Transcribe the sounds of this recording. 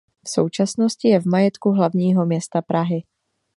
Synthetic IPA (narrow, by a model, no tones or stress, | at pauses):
fso̞̰wt͡ʃasno̞scɪjɛvmajɛt̪kuɦlavɲiːɦo̞mɲɛst̪apɾaɦɪ